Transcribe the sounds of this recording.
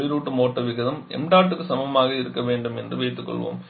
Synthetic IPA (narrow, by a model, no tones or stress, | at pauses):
ɪɾuːʈːɯmoːʈːɐʋɪɣɐðɐmɛ̰mɖaːʈːɯkːɯsɐmbɐmaːɣɐɪɾɯkːɐʋeːɳɖɯmɛndrɯʋeɪt̪ːɯkːɔ̰ɭʋo̰ːm